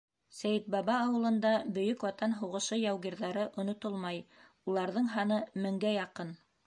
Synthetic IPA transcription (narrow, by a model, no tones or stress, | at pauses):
sæjɘt̪̚bɑbɑːwɤ̆lˠɤ̆nd̪ɑbɵ̆jɵkwɑt̪ɑnɦuʁɤ̆ʃɤjɑwɡiɾðæɾɤʔŏnŏt̪olˠmɑj | ulˠɑɾðɤɴɦɑnɤmɘ̆ŋɡæjɑqɤn